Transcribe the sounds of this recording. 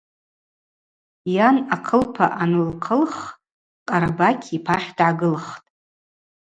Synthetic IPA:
janakʰəlpʰa̰ʔanɨlqʰəlχ | qʼaɾabakʲʰipʰaχʲdʕaɡɨlχtʼ

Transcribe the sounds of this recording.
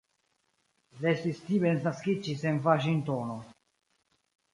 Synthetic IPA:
lest̪ist̪ibensnaskit͡ʃisenvaʃint̪ono

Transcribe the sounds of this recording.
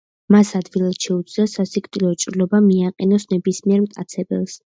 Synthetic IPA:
masad̪vilˠad̪ʃɛud̪sʰʼd̪asasikʼt̪ʼilɔt͡ʃʼɾlɔbamiaqʼɛnɔsnɛbismiɛɾmt̪ʼa̰t̪sʰɛbɛ̰lˠs

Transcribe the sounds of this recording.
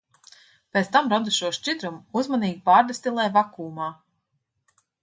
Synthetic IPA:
pʲet̪st̪amɾɔd̪uʃuɔʃt͡ʃʲid̪ɾumuzmaniːɡʲipaːɾd̪asʲt̪ʲilˠɛjvakuːmaː

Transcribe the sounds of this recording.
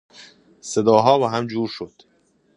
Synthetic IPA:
se̞d̪ɒːɦɒːbɒːɦæmd͡ʒuːɾʃod̪̥

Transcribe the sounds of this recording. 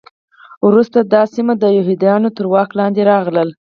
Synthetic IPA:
wɾust̪ad̪ɑsimad̪əjʊɦid̪jɑnot̪əɾwɑklɑnd̪eɾɑɣləl

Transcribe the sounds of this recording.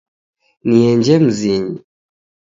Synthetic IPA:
niɛɲd͡ʒɛm̩ziɲi

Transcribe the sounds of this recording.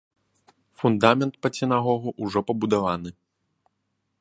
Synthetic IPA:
fund̪amʲɛnt̪̚pɐt͡sʲɛnaɣɔɣuʔuʐɔpɐbud̪avanɨ

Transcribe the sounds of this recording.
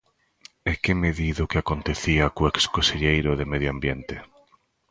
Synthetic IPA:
ekemeðiðʊkɪakont̪eθiakoekskoseʎejɾʊðemeðjoambjent̪ɪ

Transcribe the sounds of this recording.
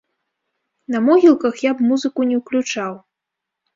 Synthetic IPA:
nɐmɔɣʲilˠkɐxjabmuzɨkunʲɛwklʲut͡ʂaw

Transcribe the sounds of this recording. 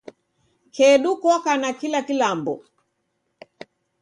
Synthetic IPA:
kʰɛɗukɔkanakilakilambɔ

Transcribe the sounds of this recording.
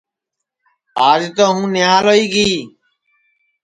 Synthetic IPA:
aːd͡ʒt̪oːɦũːnɪaːloːiːɡiː

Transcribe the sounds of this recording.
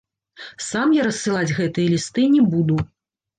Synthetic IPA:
samjaɾɐsːɨlˠad͡zʲɣɛt̪ɨjɐlʲist̪ɨnʲɛbud̪u

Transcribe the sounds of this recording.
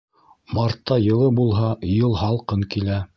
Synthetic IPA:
mɑɾt̪ːɑjɤ̆lˠɤbulˠɦɑjɤlˠhɑlˠqɤŋkilæ

